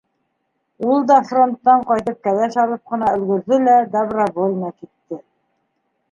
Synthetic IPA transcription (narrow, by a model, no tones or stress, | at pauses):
ulˠd̪ɑfro̞nt̪ːɑɴqɑjt̪ɤp̚kæðæʃɑlˠɤp̚qɤ̆nɑɵ̆lɡɵ̆ɾðɘlæd̪abravolʲnɑkit̪ːɘ